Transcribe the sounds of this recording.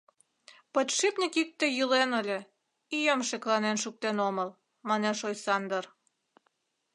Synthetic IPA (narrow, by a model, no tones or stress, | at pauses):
pət̪ʃipnʲikik̚t̪ĕjylenəlʲe | ijəmʃeklɑnenʃuk̚t̪enoməl | mɑneʃojsɑnd̪ər